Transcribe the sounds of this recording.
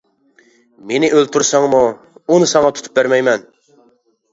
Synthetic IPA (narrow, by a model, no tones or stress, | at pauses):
menɪʔølt̪ʰuɾsɑŋmu | unɨsɑŋɑt̪ʰu̥t̪ʰup̚bæɾmɛjmɛn